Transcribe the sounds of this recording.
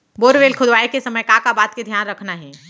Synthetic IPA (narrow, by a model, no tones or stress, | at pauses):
boːɾʋeːlkʰʊd̪ʋaekesəməjkakabaːt̪̚ked̪ʱjaːnɾəkʰnaɦɛ